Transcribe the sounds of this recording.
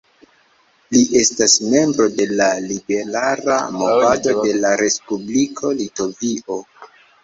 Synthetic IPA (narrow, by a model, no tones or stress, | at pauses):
liʔe̞stasme̞mbɾo̞de̞lalibe̞ɾaɾa̰movatode̞laɾe̞spublikʰo̞lito̞viʔo̞